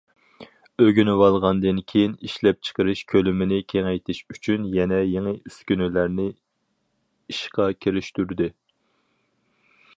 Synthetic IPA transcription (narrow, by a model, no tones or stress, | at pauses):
øɡʲynɪwɑlˠʁɑnd̪ɨnkʲʰejiniʃlɛp̚t͡ʃʰə̥qəɾɨʃkʲʰølymɪnɪkʲʰeŋɛjt̪ʰɪʃyt͡ʃʰynjɛnɛjeŋɨyskʲynylæɾnɪ | iʃqɑkʲʰeɾɪʃt̪yɾd̪ɪ